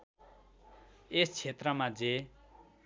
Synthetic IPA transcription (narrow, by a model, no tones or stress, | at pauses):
est͡sʰet̪rʌmad͡ze